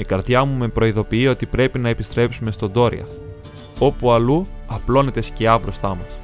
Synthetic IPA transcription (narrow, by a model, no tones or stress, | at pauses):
ikɐɾðʝɐmume̞pɾo̞iðo̞piio̞t̪ipɾe̞pinɐe̞pist̪ɾe̞psume̞st̪o̞nd̪o̞ɾḭɐ̰θ | o̞puɐluɐplo̞ne̞t̪e̞sceɐbɾo̞st̪ɐmɐs